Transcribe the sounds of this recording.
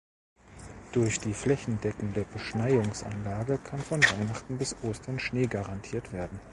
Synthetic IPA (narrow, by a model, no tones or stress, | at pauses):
d̥ʊɐçd̥iːflɛçn̩dɛkŋ̩deːɐbəʃnaɪdʊŋsʔa̰nlaːɡəkʰanfɔnvaɪnaχtn̩bɪsʔoːstɐnʃneːɡaʁantʰiːɐtv̥eːɐdn̩